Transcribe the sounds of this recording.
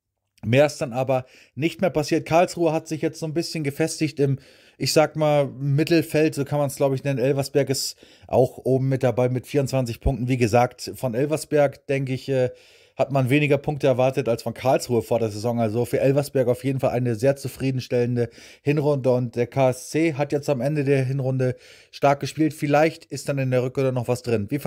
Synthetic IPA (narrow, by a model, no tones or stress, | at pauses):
meːɐɪstd̥anʔaːbɐ | nɪçtmeːɐpasiːɐtkʰaɐlsʁ̥uːəɦatz̥ɪçjɛt͡stz̥oːnbɪsçənɡəfɛstɪçtɪm | ʔɪçz̥aːkmaːlmɪtl̩fɛltz̥oːkʰanmansɡ̥laʊbəɪçnɛnənʔɛlvɐsb̥ɛɐkɪst | ʔa̰ʊxʔoːbm̩ːɪt̚d̥abaɪmɪtfiːʁʊntt͡ssv̥ant͡sɪçpʰʊŋktn̩viːɡəzaːktfɔnʔɛlvɐsb̥ɛɐkd̥ɛŋkəɪçɛː | hatmanveːnɪɡɐpʰʊŋk̚təɛɐvaɐtətalsfɔnkʰaɐlsʁ̥uːəfoːɐdeːɐzezɔŋalzofyːɐʔɛlvɐsb̥ɛɐkaʊfjeːdn̩falʔa̰ɪnəzeːɐt͡sufʁ̥iːdn̩ʃtɛləndə | hɪnʁʊndəʊnt̚d̥eːɐkʰaːɛst͡seːɦatjɛt͡stamʔɛndədeːɐɦɪnʁʊndə | ʃtaɐk̚ɡ̥əʃpiːltfɪlaɪçtʔɪst̚d̥anɪndeːɐʁʏkʁʊnənɔχv̥asd̥ʁɪnviː